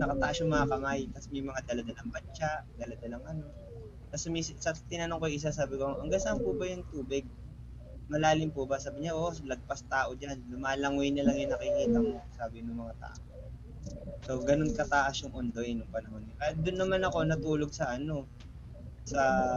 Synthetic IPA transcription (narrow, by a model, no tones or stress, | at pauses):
nɐkɐt̪ɐʔasjʊŋmɐŋakɐmajt̪ɐsmɐjmɐŋad̪ɐlɐd̪alɐŋbɐnt͡ʃaʔd̪ɐlɐd̪alɐŋʔɐno̞ | t̪ɐsmiːsɪsɐt̪ɪnɐnoŋkojʔɪs̬asaːbɪkoʔɐŋɡasɐmpubɐjʊŋt̪uːbɪɡ̚ | mɐlaːlɪmpʊʔbɐsaːbɪɲaʔolɐɡ̚pɐst̪aːʔo̞d͡ʒanlʊmaːlɐŋwjnɐlɐŋjʊnɐkɪkiːt̪ɐŋosaːbɪnʊŋmɐŋat̪a̰ːʔo | so̞ɡɐno̞nkɐt̪aʔasjʊŋʔʊnd̪ojnʊŋpɐnɐɦo̞nɲokajad̪ʊnːɐmanɐko̞nɐt̪uːloɡ̚sɐʔɐno̞ | sɐ